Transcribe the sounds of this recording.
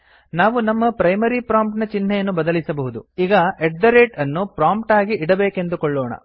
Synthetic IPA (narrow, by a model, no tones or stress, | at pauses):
naːʋunɐmːɐpɾɐjmɐɾipɾaːmp̚ʈnɐt͡ʃinːɛjɐnːubɐd̪ɐlisɐbɐɦud̪uiːɡɐeʈ̚d̪ɐɾeːʈɐnːupɾaːmpʈaːɡiʔiɽɐbeːke̞nd̪ukoɭːɔːɳɐ̰